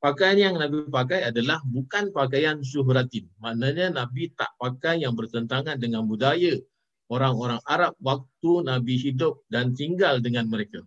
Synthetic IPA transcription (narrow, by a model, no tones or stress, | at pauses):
pakajanjaŋnabipakajadalahbukanpakajans̬uɦɾat̪inmãʔnaɲanãbit̪a̰ʔpakajjaŋbərt̪ənt̪aŋãndəŋanbudaja | oɾaŋoɾaŋaɾap̚wak̚t̪unabiɦidʊp̚dant̪iŋɡaldəŋanməɾeka